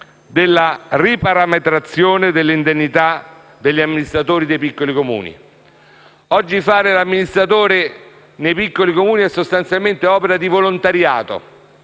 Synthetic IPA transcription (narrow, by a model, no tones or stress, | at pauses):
d̪elːaripaɾamet̪ɾat̪sːjoːned̪elːind̪enːit̪a | d̪eʎːiamːinist̪ɾat̪oːɾid̪ejpikːolikomṵːnḭ | ɔd͡ʒːifaːɾelamːinist̪ɾat̪oːɾe | nejpikːolikomuːniɛsːost̪ant̪sjalment̪eɔːpeɾad̪ivolont̪aɾja̰ːt̪o̰